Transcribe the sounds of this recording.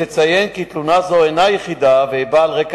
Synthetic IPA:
et͡sajenkit̪lunazoenajeχid̪aveibaːlʁek

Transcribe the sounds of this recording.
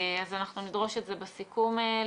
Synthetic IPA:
azanaχnunidʁo̞ʃetzebesikume

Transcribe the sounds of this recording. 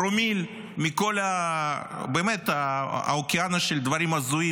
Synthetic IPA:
ɾomil | mʲiko̞la | beːmet̪a̰okianɐʃeld̪vɐɾimazui

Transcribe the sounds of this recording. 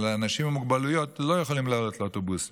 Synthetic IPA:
leanaʃimhamuɡbalujo̞tlo̞jeχolimlalo̞t̪leotobus

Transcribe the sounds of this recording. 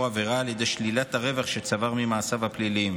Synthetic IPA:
aveʁaːljed̪e̞jʃlilat̪aʁe̞vaχʃe̞t͡savaʁmimaːsavhaplilim

